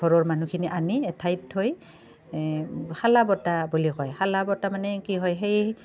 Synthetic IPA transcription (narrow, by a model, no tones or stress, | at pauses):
ɔɹɔɹmanukʰiniʔaniɛtʰajthoj | xalabɔtabulikɔjxalabɔtamanɛkiɦɔjxej